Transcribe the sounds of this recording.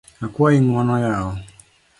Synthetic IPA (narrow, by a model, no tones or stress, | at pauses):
akwainwɔnɔjaɔ